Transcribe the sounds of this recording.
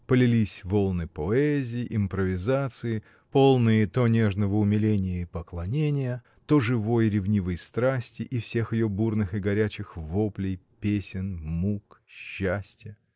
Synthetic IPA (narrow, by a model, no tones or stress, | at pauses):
pəlʲɪlʲisʲvo̞lˠnɨpoɛzʲɪjɪʔɪmpɾəvʲɪzat̪sɨɪ | po̞lˠnɨjit̪onʲe̞ʐnəvəʊmʲɪlʲenʲɪjəipəklˠɐnʲenʲɪjə | t̪oʐɨvo̞jɾʲɪvnʲivəjst̪ɾasʲtʲɪʔifsʲe̞xjɪjo̞burnɨxɨɡɐɾʲæt͡ɕɪxvoplʲɪjpʲesʲɪnmukɕːæsʲtʲjə